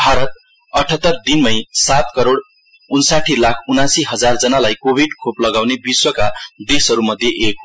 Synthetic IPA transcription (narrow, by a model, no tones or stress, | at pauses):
bʱaɾʌt̪̚ | ʌʈʰʌt̪ːʌrd̪inmʌjsat̪kʌɾoɽ | unsaʈʰilakʰunãsiɦʌd͡zard͡zʌnalajkobʱiɖkʰoplʌɡawnebiswʌkad̪esʌɾumʌd̪ʱjeʔek̚